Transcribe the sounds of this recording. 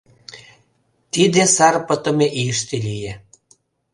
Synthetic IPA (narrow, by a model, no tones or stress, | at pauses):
t̪id̪esɑrpə̆t̪ə̆meʔijəʃt̪elʲije